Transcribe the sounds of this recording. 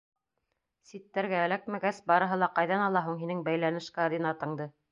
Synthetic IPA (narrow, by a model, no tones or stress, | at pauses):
sit̪ːæɾɡæːlæk̚mæɡæsbɑɾɤ̆ɦɤlˠɑqɑjðɑnɑlˠɑɦuɴɦinɘŋbæjlænɘ̆ʃkɑd̪inɑt̪ɤ̆ɴd̪ɤ